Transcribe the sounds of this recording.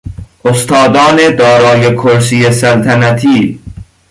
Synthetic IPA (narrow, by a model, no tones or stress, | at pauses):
ʔost̪ʰɒːd̪ɒːne̞d̪ɒːɾɒːjekʰoɾsiːesælt̪ʰænæt̪ʰiː